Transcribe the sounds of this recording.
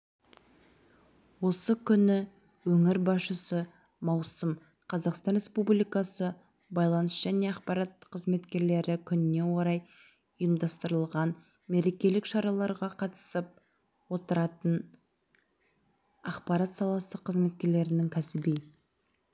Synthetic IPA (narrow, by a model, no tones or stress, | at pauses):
wo̞səkʲʰʏnɪ | wɵŋɪɾbɑsʃəsə | mɑwsəm | qʰɑzɑqst̪ɑnɾʲe̞spublʲijkɑsə | bɑjlˠɑnəsʒ̥æne̞ɑqpɑɾɑt̪̚qʰəzme̞t̪kʲe̞ɾle̞ɾɪkʲʰʏnɪne̞wo̞ɾɑj | ʊjəmd̪ɑst̪əɾəlˠʁɑn | me̞ɾe̞kʲe̞lɪkʃɑɾɑlˠɑɾʁɑqʰɑt̪ə̥səp̚ | wo̞t̪əɾɑt̪ən | ɑqpɑɾɑt̪sɑlˠɑsəqʰːəzme̞t̪̚kʲe̞ɾle̞ɾɪnɪŋkʲʰæsɪbij